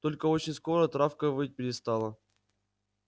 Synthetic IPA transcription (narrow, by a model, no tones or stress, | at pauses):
t̪o̞lʲkəot͡ɕɪnʲsko̞ɾət̪ɾafkəvɨjt̚ʲpʲɪɾʲɪst̪alˠə